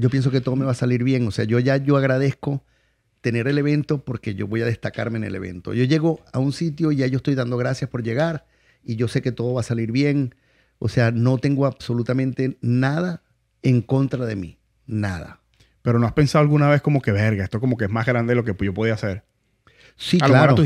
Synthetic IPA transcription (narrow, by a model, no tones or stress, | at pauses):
ɟ͡ʝo̞p̬je̞ns̬o̞ke̞t̪o̞ð̞o̞me̞βasaliɾβje̞ŋo̞se̞aʝo̞ʝaʝo̞aɣɾað̞e̞sko̞ | t̪e̞ne̞ɾe̞le̞βe̞nt̪o̞po̞ɾke̞ʝo̞βo̞jað̞e̞st̪aka̰ɾmene̞̰le̞β̞e̞̰nt̪o̞̰ʝo̞ʝe̞ɣo̞aunsit̪jo̞iʝaʝost̪ojd̪and̪o̞ɣ̞ɾasjaspo̞ɾʝe̞ɣaɾ | iʝo̞se̞ket̪o̞ð̞o̞βasaliɾβje̞ŋ | o̰se̞ano̞t̪e̞ŋɡo̞aβso̞lut̪amẽ̞nt̪e̞naða | eŋko̞nt̪ɾaðe̞mi | naða̰ | pe̞ɾo̞noaspe̞nsaðoalɣunaβesko̞mo̞ke̞βeɾɣaest̪oko̞mokeezmazɣɾand̪eelokeʝo̞poðiaseɾ | silao